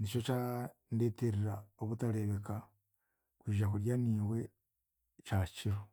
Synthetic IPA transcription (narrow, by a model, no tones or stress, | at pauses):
nit͡ʃo̞t͡ʃa | ndeteɾiɾaoβutale̞βeka | kwiːʒakuɾjaniːwe̞ | t͡ʃat͡ʃiɾo